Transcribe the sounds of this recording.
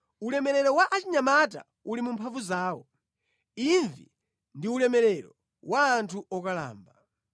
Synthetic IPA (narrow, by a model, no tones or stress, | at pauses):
ulɛmɛɾɛɾɔwaʔat͡ʃiɲamata̰ | ulimumpʰavuzaːwɔ | iɱvḭ | ndiulɛmɛɾɛɾɔ | wʔaːntʰuʔɔkala̰ːmba